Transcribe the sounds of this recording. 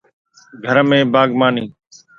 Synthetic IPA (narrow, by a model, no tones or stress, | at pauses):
ɡʱəɾmẽːbaːɡmaːniː